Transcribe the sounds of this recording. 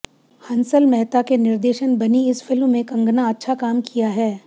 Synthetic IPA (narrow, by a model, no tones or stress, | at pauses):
hɐ̃nsəlmɛɦt̪akenɪɾd̪eːʃənbɐniɪsfʰɪlmːẽkɐ̃ŋɡnaɐtːʃʰakaːmkʰijaɦɛː